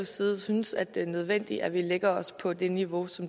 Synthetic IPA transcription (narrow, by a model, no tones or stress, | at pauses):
siːð̩ˠsynəsæd̥e̝nøð̞ˠʋen̰d̥iʔæʋileɡ̥ɐɒ̽spʰɒ̽d̥e̝niʋo̝sɒ̽m